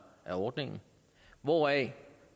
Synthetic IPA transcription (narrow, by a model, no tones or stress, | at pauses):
ʔæɒd̥ne̝ŋn̩ | ʋɔɛ